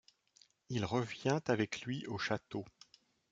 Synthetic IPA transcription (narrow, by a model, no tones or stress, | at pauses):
ilʁəvjɛ̃t̪avɛklɥiʔoʃat̪o